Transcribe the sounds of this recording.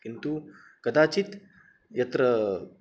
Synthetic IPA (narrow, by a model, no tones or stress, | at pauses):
kint̪u | kɐd̪aːt͡ʃit̪ | jɐt̪ɾɐ